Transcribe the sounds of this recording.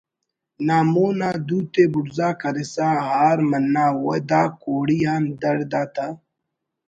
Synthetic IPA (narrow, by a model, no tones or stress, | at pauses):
naːmoːnaːd̪uːt̪eːbʊɽzaːkɐɾesaːɦaːɾmɐnːaːwod̪aːkoːɽijaːnd̪ɐɽd̪aːt̪aː